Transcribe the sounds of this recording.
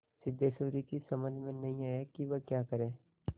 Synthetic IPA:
sɪd̪ːesoːɾikisɐməd͡ʒmẽnɐɦĩaːakiʋəkjaːkɐɾẽː

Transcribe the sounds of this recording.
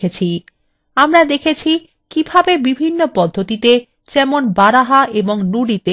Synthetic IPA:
et͡ɕʰi | amɾad̪ekʰet͡ɕʰi | kibʱabebibʱinːopɔd̪ʱːot̪it̪e | d͡ʑɛmonbaɾaɦaʔeboŋnuɽit̪e

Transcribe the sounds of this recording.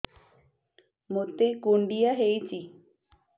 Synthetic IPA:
mot̪ekuɳɖiaɦejt͡ʃi

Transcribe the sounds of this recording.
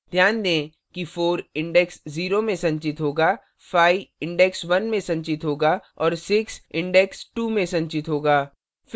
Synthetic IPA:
d̪ʱjaːnd̪ẽː | kifoːɾɪ̃ɳɖɛksziːɾomẽsɐ̃ɲt͡ʃɪt̪ɦoːɡaː | fʰaːiɪ̃ɳɖɛksʋɐnmẽsɐ̃ɲt͡ʃɪt̪ɦoːɡaː | ɔːɾsɪksɪ̃ɳɖɛksʈumẽsɐ̃ɲt͡ʃɪt̪ɦoːɡaː | f

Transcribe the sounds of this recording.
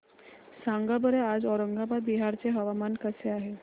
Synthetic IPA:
saŋɡabəɾead͡zɔɾəŋɡabad̪̚biɦaɾt͡seɦəʋamankəseaɦe

